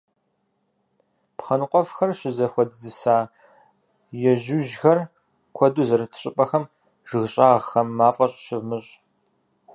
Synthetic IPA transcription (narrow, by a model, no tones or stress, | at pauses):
pχɐnɨqʷʼɔfxɐrɕɪzɐxʷɔdɨzɨsaː | jɛʒuʒxɐr | kʷʰɔduzɐɾɐtʰɨ̥ɕʼɪpʼɐxɐm | ʒ̥ɨɣɕʼaːʁxɐmːaːfʼɐɕʼɕɪvmɨɕʼ